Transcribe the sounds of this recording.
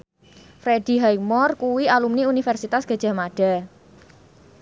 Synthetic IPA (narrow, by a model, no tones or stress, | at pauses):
fɾed̥i̤ɦajmɔrkuwialumniunifɛrsit̪asɡ̥a̤dd͡ʒ̥a̤maɖ̥a̤